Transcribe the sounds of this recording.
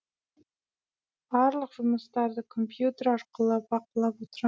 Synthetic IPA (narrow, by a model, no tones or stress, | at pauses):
b̥ɑɾlˠəqʒ̥ʊməst̪ɑɾd̪əkʰompjut̪e̞ɾɑɾqəlˠəp̚bɑqəlˠɑpwot̪əɾɑ